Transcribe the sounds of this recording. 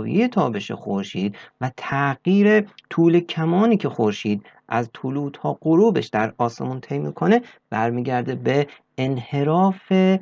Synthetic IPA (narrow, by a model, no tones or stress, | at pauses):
vḭejet̪ʰɒːbeʃḛxoɾʃiːd̪væt̪ʰæɣjiːɾet̪ʰuːlecʰæmɒːniːcʰe̞xoɾʃiːd̪ | ʔæzt̪ʰuluːt̪hɒːɢ̥oɾuːbe̞̰ʃd̪æɾɒːse̞̰munt̪ʰejmḭːkʰo̞ne | b̥æɾmiːɟæɾd̪ebeː | nhe̞ɾɒːfe